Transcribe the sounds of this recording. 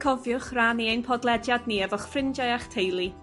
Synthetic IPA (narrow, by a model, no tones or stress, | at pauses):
kʰɔvjʊχraniejnpʰɔdlˠɛdjadniɛvɔχfrɪnd͡ʒajaχtʰejlˠi